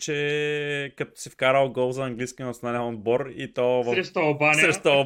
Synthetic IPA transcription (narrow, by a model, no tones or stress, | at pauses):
t͡ʃɛ | kɐt̪ɔ̥sifkaɾəlˠɡɔlˠzɐɐŋɡlijskinɐt̪sʲjonalʲɛnond̪bɔɾit̪ɔvɐɾɛʃt̪ɐlˠbanɾɛʃt̪olˠ